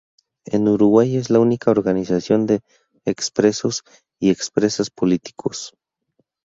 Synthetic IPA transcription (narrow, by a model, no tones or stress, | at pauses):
ḛnuɾuɣwajezlaunikʰaoɾɣanisasjond̪eː | kspɾesos | iekspɾesaspolit̪i̥kʰos